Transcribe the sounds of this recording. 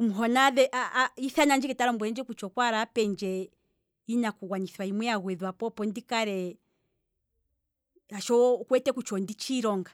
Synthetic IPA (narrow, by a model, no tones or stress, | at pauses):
umuɦɔnaðɛʔaiθanaɲd͡ʒɛkɛtaɾɔmbwɛɛnd͡ʒɛkut͡ʃɔkwaɾapɛɲd͡ʒɛ | inakuɣwaɲiθwaimwɛaɣwɛðwapɔpɔndikaɾɛ | aʃɔkwɛtɛkut͡ʃɔndit͡ʃiɾɔŋɡa